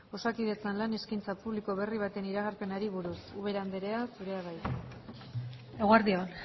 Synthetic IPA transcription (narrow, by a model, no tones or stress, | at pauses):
o̞sakið̞e̞t͡sanlane̞skint͡sapuβliko̞βe̞riβ̞at̪e̞niɾaɣ̞arpe̞naɾiβuɾusuβ̞e̞ɾand̪e̞ɾe̞asuɾe̞aβaj | eɣoaɾðion